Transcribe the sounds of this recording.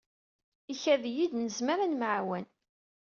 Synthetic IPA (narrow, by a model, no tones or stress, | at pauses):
içæðjid̪nəzmaɾanməʕwæn